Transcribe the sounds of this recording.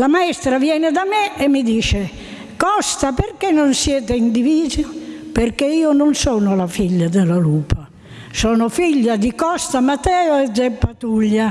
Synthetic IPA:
lamaɛst̪ɾavjɛːned̪amɛemːid̪iːʃe | kɔst̪aperkenːonsjɛːt̪̬eind̪iviːzoperkeiːononsɔːnolafiʎːad̪elaluːpa | sɔːnofiʎːad̪ikɔst̪amat̪ːɛːoɛzɛpːat̪uʎːa

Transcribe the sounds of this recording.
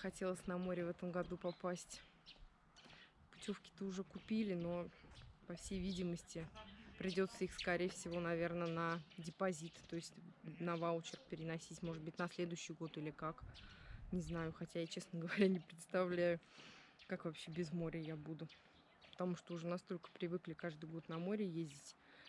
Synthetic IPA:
xɐtʲe̞lˠəsʲnɐmo̞ɾʲɪvɛt̪əmɡɐd̪upɐpasʲtʲ | pʊ̥tʲo̞fkʲɪ̥t̪ɨʊʐɛkʊpʲilʲɪno̞pɐfsʲejvʲidʲɪməsʲtʲɪpɾʲɪdʲo̞t̪səixskɐɾʲejfsʲɪvo̞nɐvʲe̞rnənədʲɪpɐzʲit̪t̪o̞jɪsʲtʲnɐvalʊt͡ɕɪrk̚pʲɪɾʲɪnɐsʲitʲmo̞ʐɨd̪̚bɨtʲnɐslʲe̞d̪ʊjʏɕːɪjɡo̞t̪ɨlʲɪkaknʲɪznajʊxɐtʲajat͡ɕe̞snəɡəvɐɾʲanʲɪpɾʲɪt̪st̪ɐvlʲæjʊkakvɐpɕːe̞bʲɪzmo̞ɾʲəjabud̪ʊ | pə̥t̪ɐmuʂt̪oʊʐɛnɐst̪o̞lʲkə̥pɾʲɪvɨklʲɪkaʐd̪ɨjɡo̞t̪nɐmo̞ɾʲɪjezʲdʲɪtʲ

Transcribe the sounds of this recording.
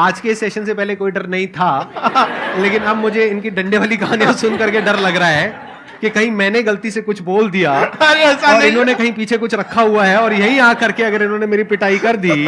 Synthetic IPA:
aːd͡ʒkesɛːʃənsepɛɦlekoːiɖɐɾnɐɦĩt̪ʰaː | leːkɪnɐbmʊd͡ʒʱeɪnkiɖɐ̃ɳɖeʋaːlikɐɦaːnijasʊnkɐɾkeɖɐɾlɐɡɾaɦɛː | kekɐɦĩmɛ̃ːneɡɐlt̪isekʊt͡ʃʰboːld̪ijaːaɾeɐsɔːɾɪnɦõːnekɐɦĩpiːt͡ʃʰekʊt͡ʃʰɾɐkʰːaɦuaɦɛɔːɾjɐɦĩjɐɦãkɐɾkeɐɡəɾɪnɦõːnemeːɾipɪʈaːikɐɾd̪iː

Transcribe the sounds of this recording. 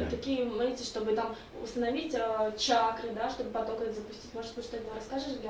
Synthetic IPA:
t̪ɐkʲijəmɨɪʂt̪o̞bɨt̪am | ʊ̰st̪ənɐvʲitʲət͡ɕakɾɨd̪aʂt̪o̞bɨpɐt̪okɛt̪zəpʊsʲtʲitʲmoʐɨt̪ʲbɨʂt̪oɛt̪ɾɐskaʐɨʂɡʲ

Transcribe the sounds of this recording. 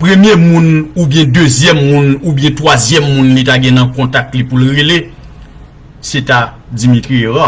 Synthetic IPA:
pʁemjemũnubjɛ̃døzjɛmːũnubjɛ̃twazjɛmːũnlitaɡɛ̃nɐ̃kɔ̃tak̚tlipulɣele | seta | d͡zimitʁieʁa

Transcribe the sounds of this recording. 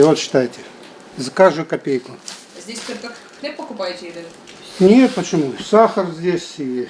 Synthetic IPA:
vot̪ɕːɪ̥t̪ajɪtʲɪ | zɐkaʐd̪ʊjʊkɐpʲejkʊ | ɐzʲdʲesʲt̪olʲkɐk | k̪ʲepəkʊpajɪtʲɪɪlʲɪ | nʲet̪̚pət͡ɕɪmusaxərzʲdʲesʲi

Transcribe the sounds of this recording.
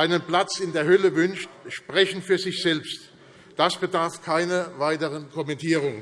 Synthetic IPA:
ʔaɪnənplat͡sɪndeːɐhœləvʏnʃtʃpʁ̥ɛçn̩fyːɐzɪçz̥ɛlpst | d̥asb̥ədaɐfkʰaɪnɐvaɪtəʁənkʰɔmɛntʰiːʁʊŋ

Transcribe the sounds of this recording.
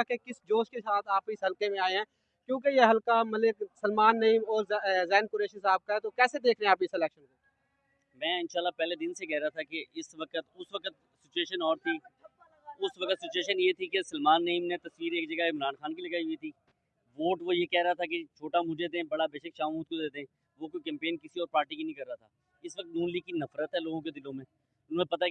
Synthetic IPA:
kekɪsd͡ʒoːʃkesaːt̪ʰaːpɪsɦɐlkemẽaːeɦɛ̃ː | kjõːkejeɦɐlkamɐlɪksəlmaːnːɐiːmɔːɾzɛːnkʊɾeːʃisaːb̚kaɦɛt̪okɛːsed̪eːkʰɾeɛ̃aːpeɪsɪlɛːkʃənke | mɛ̃ːɪnʃaːlːapɛːled̪ɪnsekɛɦɾat̪ʰakeɪsʋəkət̪ʊsʋəkət̪ | sɪt͡ʃueːʃənɔːɾt̪ʰiː | ʊsʋəkət̪sɪt͡ʃueːʃənjet̪ʰikesəlmaːnːɐiːmnet̪ɐsʋiːɾeːkd͡ʒɐɡaɪmɾaːnxaːnkilɐɡaːiɦʊit̪ʰiː | ʋoːʈʋojekɛːɾaat̪ʰak̬et͡ʃʰoːʈamʊd͡ʒed̪ẽbɐɽabeːʃəkʃaːmuːt̪̚kod̪eːd̪ẽ | ʋokokɛ̃ːmpeːnkɪsiɔːɾpaːɾʈikinĩkɐɾːaːt̪ʰaː | ɪsʋək̚t̪nuːnliːɡ̚kinɐfɾət̪ɦɛloːɡõked̪ɪlõmẽː | ʊnõmẽpɐt̪a

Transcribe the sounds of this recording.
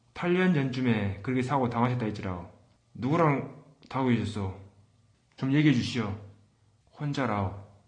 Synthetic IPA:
tʰaʎːʌnd͡ʑʌnt͡ɕʰume̞kɯɾɯkʰesʰaɡotaŋɦaɕʰʌt̚t͈ait͡ɕ͈iɾao | nuɡuɾaŋ | taɡoeɕʰʌs͈ʌ | t͡ɕomje̞ɡiɦed͡ʑuɕʰijʌ | hond͡ʑaɾao

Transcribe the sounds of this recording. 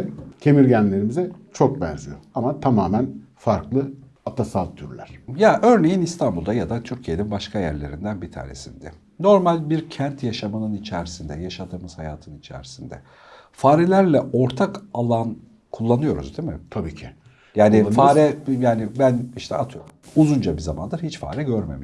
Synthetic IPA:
t̪ʰe̞miɾɟænlʲe̞ɾimizɛt͡ʃʰok̚bæ̰ɾzijoamat̪ʰamaːmæn | faɾklˠɯ | at̪ʰasat̪ʰyɾlʲæɾ̥jaʔø̞ɾne̞jinist̪ʰanbulˠd̪ajad̪at̪ʰyɾcʰijeninbaʃkʰajæ̰ɾlʲe̞̰ɾind̪ænbit̪ʰa̰ːne̞̰sind̪ɛ | no̞ɾmalʲbiɾcʰænt̪jaʃamɯnɯnit͡ʃʰæɾisind̪ɛjaʃad̪ɯmɯz̥hajaːt̪ʰɯnit͡ʃʰæ̰ɾisind̪ɛ̰ | faːɾɛlʲæɾlʲɛo̞ɾt̪ʰakalˠan | kʰulˠːanɯjo̞ɾṵzd̪imɪt̪ʰabiːcʰɪ | jaːnɪfaːɾɛjaːnɪbæniʃt̪ʰɛat̪ʰɯjoɾumuzund͡ʒabizama̰nd̪ɯɾhit͡ʃfa̰ːɾɛɟøɾmḛmi

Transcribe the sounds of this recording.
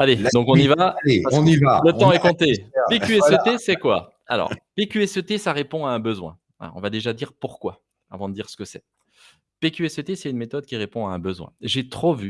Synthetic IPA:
aled̪ɔ̃kɔ̃nivaleɔ̃nivalət̪ɑ̃ɛkɔ̃t̪epekyɛsøt̪esɛkwa̰ | a̰lɔ̰ːʁpekʲyɛsət̪esaʁepɔ̃aɛ̃bəzwɛ̰̃ | ɛ̰ɔ̰̃vad̪eʒad̪iʁpuʁkwa | a̰vɑ̃d̪əd̪iʁsə̥kəsɛ | pekʲyɛsøt̪esɛt̪ynmet̪ɔd̪̚kʲiʁepɔ̃aɛ̃bəzwɛ̰̃ʒet̪χovy

